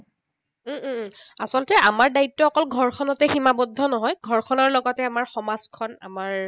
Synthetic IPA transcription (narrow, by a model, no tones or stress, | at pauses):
asɔlɔtɛamaɹdaitːɔɔkɔlɡʱɔɹkʰɔnɔtɛximabɔdʱːɔnɔɦɔjɡʱɔɹkʰɔnɔɹlɔɡɔtɛamaɹxɔmaskʰɔna̰maɹ